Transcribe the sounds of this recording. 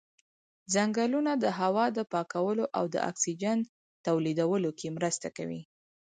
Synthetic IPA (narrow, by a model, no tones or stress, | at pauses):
zaŋɡalunad̪əɦawɑd̪əpɑkawəloʔawd̪ə̰ʔa̰ksid͡ʒan | t̪awlid̪awəlokʰemɾəst̪akawḭ